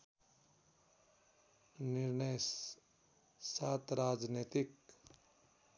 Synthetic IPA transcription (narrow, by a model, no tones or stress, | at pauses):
nɪɾnəjs | saːt̪ɾaːd͡ʒneːt̪ik